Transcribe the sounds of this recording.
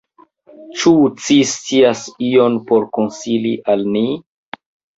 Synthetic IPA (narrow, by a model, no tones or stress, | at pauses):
t͡ʃut͡sist͡siasionpo̞ɾkonsiliʔalni